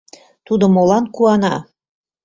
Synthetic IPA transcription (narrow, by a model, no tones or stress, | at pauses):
t̪ud̪ŏmolɑnkuɑnɑ̰